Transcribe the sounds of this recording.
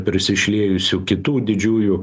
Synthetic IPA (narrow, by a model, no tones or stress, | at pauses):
pʲɾʲɪsʲɪʃʲlʲeːjʊsʲʊkʲɪt̪uːd̪ʲɪd͡ʒʲuːju